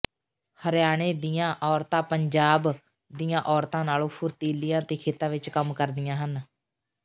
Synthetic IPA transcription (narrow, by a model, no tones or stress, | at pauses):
həɾjaːɽ̃eːd̪ijãːʔɔːɾt̪ãːpəɲd͡ʒaːb | d̪ijãːʔɔːɾt̪ãːnaːlõːpʰʊɾt̪iːlɪijãːt̪eːkʰeːt̪ãːʋɪt͡ʃkəmkəɾd̪ɪjãːɦən